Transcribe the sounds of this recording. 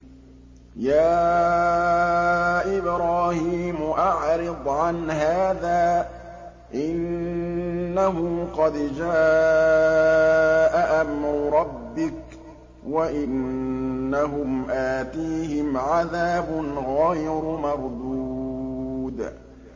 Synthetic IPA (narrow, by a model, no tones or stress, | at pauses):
jaː | ʔɪbɾaːhiːmʊʔaʕɾɨd̪ˤʕanhaːðaː | ʔɪnː | aɦʊqɑd̪d͡ʒaː | ʔaʔamɾʊɾˤɑbːɪk | waʔɪnː | aɦʊmʔaːt̪iːɦɪmʕaðaːbʊnɣajɾmɑɾˤd̪uː | d̪